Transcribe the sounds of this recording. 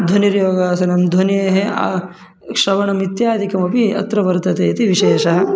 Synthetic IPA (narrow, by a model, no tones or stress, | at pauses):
d̪ʱɐniɾjoːɡaːsɐnɐmd̪ʱwɐneːɦea̰ː | kʂɐʋɐnɐmit̪jaːd̪ʱikɐmɐpiɐ̰t̪ɾɐʋɐɾt̪ɐt̪eːɐt̪iʋiʃeːʃɐɦɐ̆